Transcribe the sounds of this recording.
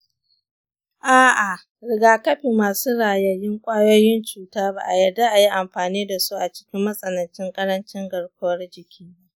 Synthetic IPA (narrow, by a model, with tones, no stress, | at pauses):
ʔaː˦˨ʔa˨ | ɾɪ˨ɡaː˨kɐ˦ɸiː˨mːaː˨suː˦ɽaː˨jɐ˦jɪ˦ŋkʷʼaː˦joː˦jɪ˦nt͡ʃuː˨taː˦ba˦˨ʔa˨jɐ˨da˦ʔa˨ji˦ʔa˨mɸaː˨niː˦da˨su˦ʔa˨t͡ʃɪ̥˦kʲɪ˦mːɐ˦sʼɐ˨nɐ˨nt͡ʃɪ˦ŋkʼɐ˦ɾɐ˦nt͡ʃɪ˦ŋɡɐ˨ɽkʷʊ˦wɐ˦rd͡ʒɪ˨kʲʰiː˦